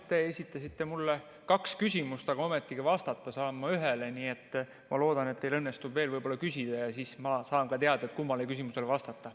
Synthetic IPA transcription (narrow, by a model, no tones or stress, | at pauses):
t̪e̞esʲit̪ːˑɑsit̪ːe̞mulːe | kɑkskysʲimust̪ɑɡ̥ɑome̞t̪ːˑiɡivɑst̪ɑt̪ːˑɑsɑːmːɑyɦeleniːe̞t̪ːˑ | mɑ̰lo̞ːd̪ɑnet̪ːe̞jlɤnːe̞st̪ubveːlvɤjb̥o̞lːɑkysʲid̪̥ɑjɑsiːsmɑsɑːnkɑt̪e̞ɑd̪̥ɑet̪kumːɑlekysimuse̞lvɑst̪ɑt̪ːˑɑ